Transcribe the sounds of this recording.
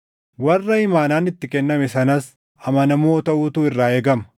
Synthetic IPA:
wɐrːɐɪmaːnaːnɪt̪ːɪkɛnːɐmɛsɐnɐs | ɐmɐnɐmo̞ːt̪ɐʔuːt̪uːɪrːaːeːɡɐmɐ

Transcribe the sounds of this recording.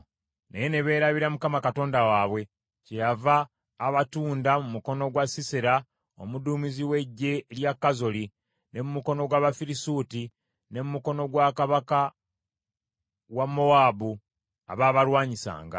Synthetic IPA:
nejene̞βe̞ːɾaβiɾamukamakato̞ːndawaːβwe̞ | cejavaː | βatuːndamumuko̞no̞ɡwasiseɾa | o̰muduːmiziwe̞ɟːe̞ljakːazo̞li | ne̞mumuko̞no̞ɡwaːβafiɾisuːti | ne̞mumuko̞no̞ɡwakaβaka | wamːo̞waːbu | a̰βaːβaɾwaːɲisa̰ːŋɡa̰

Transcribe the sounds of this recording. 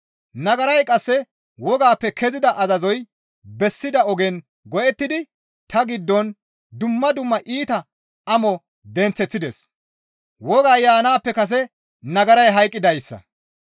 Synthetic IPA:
nɐɡɐɾɐjkʼɐsːɛ | wɔɡaːpːɛkʰɛzɪd̪ɐʔɐzɐzɔj | bɛsːɪd̪ɐɔɡɛn | ɡɔʔɛt̪ːɪd̪ɪ | t̪ɐɡɪd̪ːɔn | d̪ʊmːɐd̪ʊmːɐʔiːt̪ɐ | ɐmɔ | d̪ɛnt͡sːɛt͡sːɪd̪ɛs | wɔɡaːjaːnaːpːɛkɐs̬ɛ | nɐɡɐɾɐjɦɐjkʼːɪd̪ɐjsːɐ̰

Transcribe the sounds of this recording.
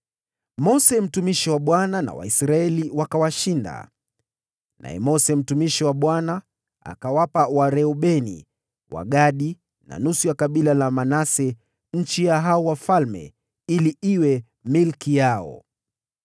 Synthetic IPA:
mɔsɛm̩tumiʃiwaɓwanana̰wa̰isɾaɛliwakawaʃinda̰ | nʔa̰ɛ̰mɔsɛm̩tumiʃiwaɓwana | a̰kawapawaɾɛɔɓɛnḭ | wa̰ɠaɗi | na̰nusujakaɓilalamanasɛ | ɲ̩t͡ʃijaɦaɔwafalmɛ̰ | iliiwɛ | milkijaɔ̰

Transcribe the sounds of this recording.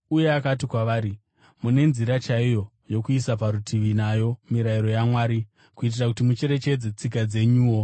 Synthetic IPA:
uje̞akatikwaʋaːɾi | mune̞nziɾat͡ʃaijo̞ | jo̞kuisapaɾutʰiʋinajo̞miɾaiɾo̞jamwaːɾi | kuit̬irakutimut͡ʃe̞ɾe̞t͡ʃe̞d͡zet͡sikad͡ze̞ɲuːwo̞

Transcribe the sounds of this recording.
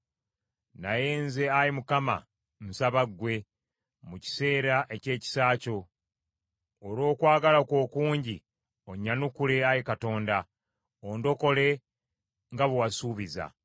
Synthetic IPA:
naje̞ːnze̞ajimukama̰ | nusaβaɡwe̞ | muci̥se̞ːɾaʔe̞ce̞ːci̥saːco̞ | ɾo̞ːkwaːɡalakwo̞ːkuːɲɟi | o̞ɲːanukule̞ajikato̞ːnda | ondo̞ko̞le̞ | ŋɡaβuwasuːβiza̰

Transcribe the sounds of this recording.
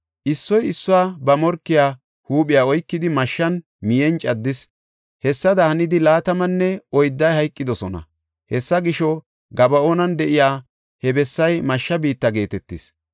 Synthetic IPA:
ʔɪsːɔjɪsːʊwaːbɐmɔɾkːɪjaː | huːɓʼɪjaːɔjkːɪd̪ɪmɐʃːɐn | mɪjɛnt͡ʃʼɐd̪ːɪs | hɛsːɐd̪ɐhɐnɪd̪ɪlaːt̪ɐmɐnːɛɔjd̪ːɐjhɐjkʼːɪd̪ɔsɔnɐ̰ | hɛsːɐɡɪʃɔ | ɡɐbɐoːnɐnd̪ɛʔɪjaː | hɛbɛsːɐjmɐʃːɐbiːt̪ːɐɡe̞ːt̪ɛt̪ːɪs

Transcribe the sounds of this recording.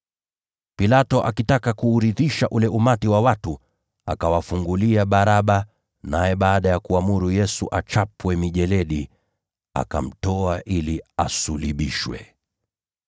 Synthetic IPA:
pilatɔʔakitakakuːɾiðiʃaʔulɛʔumatiwawatu | a̰kawafuŋɡuliaɓaɾaɓa | najɛɓaːɗajakuamuɾujɛsuʔat͡ʃapwɛmiʄɛlɛɗi | a̰ka̰m̩tɔaʔiliasuliɓiʃwɛ̰

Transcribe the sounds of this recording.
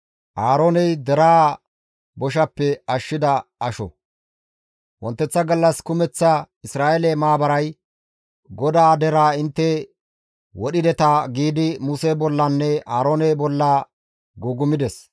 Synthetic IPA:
ʔaːɾoːnɛjd̪ɛɾaː | bɔʃ̬ɐpːɛɐʃːɪd̪ɐɐʃɔ̰ | wɔ̰nt̪ːɛt͡sːɐɡɐlːɐskʊmɛt͡sːɐ | ɪsɾaːɛlɛmaːbɐɾɐj | ɡɔd̪aːd̪ɛɾaːɪnt̪ːɛ | wɔɗɪd̪ɛt̪aɡiːd̪ɪmusebɔlːɐnːɛaːɾoːnɛbɔlːaː | ɡuːɡʊmɪd̪ɛs

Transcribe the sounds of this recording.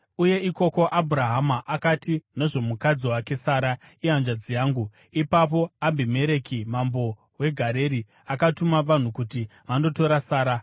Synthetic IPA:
uje̞iko̞ko̞ʔabʱuɾaɦamaʔakatine̞ʐo̞mukad͡ziwake̞saːɾa | iɦand͡ʒad͡zijaːŋɡu | ipap̬o̞ambime̞ɾe̞kimambo̞ | we̞ɡʱaɾe̞ɾi | akatumaʋan̤ukutiʋando̞to̞ɾasaːɾa

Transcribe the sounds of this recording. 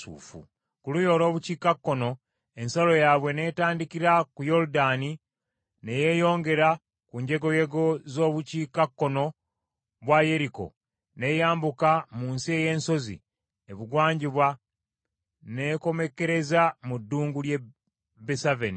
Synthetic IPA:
ṵːfṵ | kulujo̞lo̞ːβuciːkakːo̞no̞ | e̞nsalo̞jaβwe̞ne̞ːtaːndikiɾakujo̞ɾudani | ne̞je̞jo̞ːŋɡe̞ɾa | kuːɲɟe̞ɡo̞je̞ɡo̞zo̞ːβuciːkakːo̞no̞ | βwaje̞ɾiko̞̰ | ne̞jaːmbukamuːnsie̞je̞ːnso̞zḭ | eβuɡwaːɲɟiβwa | ne̞ko̞me̞ke̞ɾe̞zamudːuːŋɡulje̞ | besaveni

